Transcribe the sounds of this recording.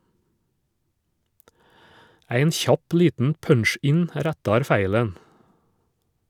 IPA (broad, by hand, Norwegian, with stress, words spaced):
ˈæɪn ˈçɑp ˈliːtn̩ ˈpœnˌʃɪn ˈɾætɑɾ ˈfæɪlən